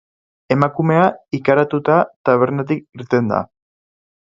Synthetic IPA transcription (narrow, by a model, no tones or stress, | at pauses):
e̞makume̞aikaɾat̪ut̪at̪aβ̞e̞ɾnat̪̬ik̚iɾt̪e̞nd̪a̰